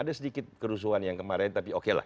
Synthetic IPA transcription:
adasədikɪt̪̚kəɾus̬uɦanjaŋkəmaɾɛnt̪apiokela̰h

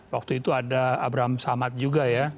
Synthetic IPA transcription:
wak̚t̪uit̪uadaabɾaɦamsamat̪̚d͡ʒuɡaja

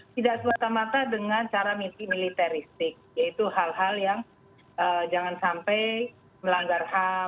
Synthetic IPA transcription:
t̪idaʔsəmat̪amat̪adəŋant͡ʃaɾamisimilit̪aɾist̪ɪk̚jait̪uɦalɦaljaŋ | ʔəd͡ʒaŋansampɛj | məlaŋɡarha

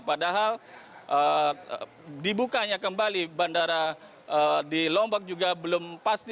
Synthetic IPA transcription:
padaɦalʔə | dibukaɲakəmbalibandaɾa | ədilɔmbɔk̚d͡ʒuɡabəlʊmpast̪i

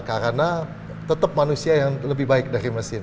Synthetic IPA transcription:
kaɾəna | t̪ət̪əp̚manusiajaŋləbɪhbaɪk̚daɾiməsɪn

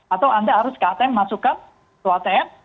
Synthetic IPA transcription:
at̪awand̪aɦaɾʊskaat̪ɛɛmːasukan | t̪uat̪ɛɛm

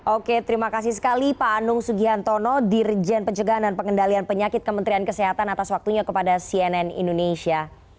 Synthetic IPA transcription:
ʔoket̪ɾimakas̬ihsə̥kalipaːnʊŋsuɡiɦant̪ɔnɔdird͡ʒɛnpəɲt͡ʃəɡaandanpəŋəndalianpəɲakɪt̪̚kəmənt̪ɾiankəseɦat̪anat̪aswak̚t̪uɲakəpadasiɛnɛnḭndonesia

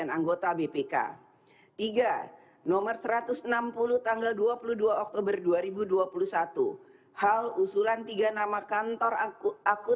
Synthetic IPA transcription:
anaŋɡot̪abepeka̰ | t̪iɡa | nɔmərsəɾat̪ʊsənampuluht̪aŋɡalduapuluduaɔk̚t̪obərduaɾibuduapulusat̪ṵ | halusulant̪iɡanamakant̪ɔrakʊ

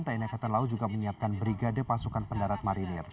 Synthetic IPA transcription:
nt̪ainakat̪alaud͡ʒuɡaməɲiap̚kanbɾiɡadəpasukanpəndaɾat̪̚maɾinɪr

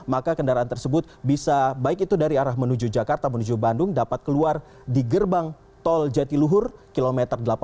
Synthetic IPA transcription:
makakəndaɾaːnt̪ərsəbʊt̪̚bisabaɪkit̪udaɾiaɾahmənud͡ʒud͡ʒakart̪amənud͡ʒubandʊŋdapat̪̚kəluar | diɡərbaŋ | t̪ɔld͡ʒat̪iluɦʊrkilomɛt̪ərdəlapa

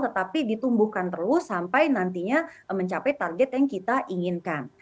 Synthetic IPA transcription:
t̪ət̪apidit̪umbuhkant̪əlʊsampajnant̪iɲaməɲt͡ʃapɛjt̪arɡɛt̪jaŋkit̪aʔiŋinkan

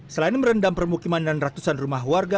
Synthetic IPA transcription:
səlainməɾəndaŋpərmukimandanrat̪usanrumaɦwarɡa

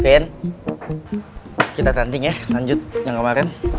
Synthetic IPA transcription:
eɛn | kit̪at̪ant̪ɪŋjahlaɲd͡ʒʊt̪̚jaŋkəmaɾɛn

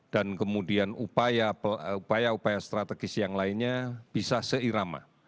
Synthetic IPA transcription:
d̥ankəmudianupajaupajaupajast̪ɾat̪əɡɪsjaŋlaɪnɲab̥isasəiɾama̰

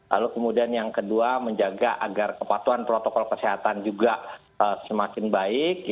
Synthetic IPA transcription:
la̰lukəmudianjaŋkəduaməɲd͡ʒaɡaʔaɡarkəpat̪uanpɾot̪okɔlkəseɦat̪and͡ʒuɡa | əsəmakɪnbaɪk̚

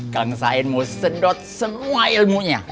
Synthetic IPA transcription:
kaŋsaɪnmosədɔt̪̚səmuailmuɲa

